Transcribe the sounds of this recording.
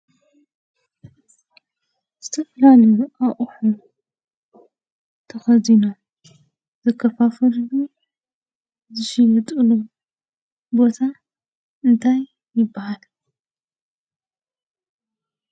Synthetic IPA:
z̥ɨt̪ʰɐfɐlaliʔaʔʼħu | t̪ʰɐxɐzino̞m | zɐkʰːɐfafɐlɨlu | zɨʃimɐt̪ʼɨlu | bo̞t̪ʰa | ɨnt̪ʰajː | ɪbːahal

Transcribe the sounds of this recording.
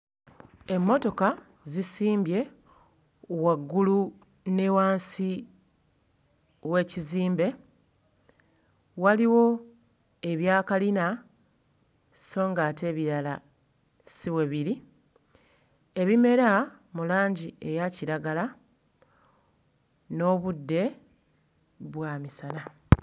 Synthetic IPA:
e̞mːo̞to̞ka | zisiːmbje̞ | waɡːulu | ne̞waːnsi | we̞ːciziːmbe̞ | waliwo̞ | e̞βjaːkalina | so̞ːŋɡaːte̞ːβiɾala | siβweβiɾi | e̞βime̞ɾa | mulaːɲɟie̞jaciɾaɡala | no̞ːβudːe̞ | βwaːmisana

